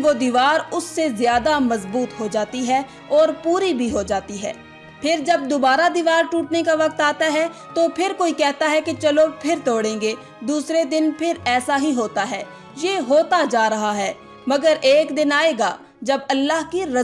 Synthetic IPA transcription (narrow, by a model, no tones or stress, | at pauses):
ʋod̪iːʋaːɾʊsːezjaːd̪amɐzbuːt̪ɦod͡ʒaːt̪iɦɛ | ɔːɾpuːɾibʱiɦod͡ʒaːt̪iɦɛ̰ː | pʰɪɾd͡ʒɐb̚d̪oːbaːɾad̪iːʋaːɾʈuːʈnekaʋɐk̚t̪aːt̪aɦɛt̪opʰɪɾkoːikɛɦt̪aɦɛket͡ʃɐlopʰɪɾt̪ɔːɽẽːŋɡeː | d̪uːsɾed̪ɪnpʰɪɾɛːsaɦiɦoːt̪aɦɛː | jeɦoːt̪ad͡ʒaːɾɐɦaɦɛː | mɐɡəɾeːkd̪ɪnaːeːɡaː | d͡ʒɐbɐlːaːɦkiɾɐ